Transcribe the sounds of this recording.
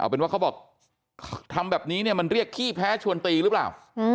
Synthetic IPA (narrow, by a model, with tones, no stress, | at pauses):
ʔa̰˧wpe˧nwaː˥˩kʰa˦˥bɔː˨˩k̚ʰ | t̪ʰa˧mbɛː˨˩p̚niː˦˥ni˥˩əma˧nɾi˥˩əkʰːiː˥˩pʰɛː˦˥t͡ɕʰu˧ənt̪iː˧ɾɯː˦˥pla̰ː˨˩w